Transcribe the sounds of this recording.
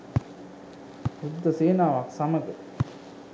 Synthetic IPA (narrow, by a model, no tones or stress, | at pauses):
ɾud̪ɐseːnaːʋaːksɐmɐɡɐ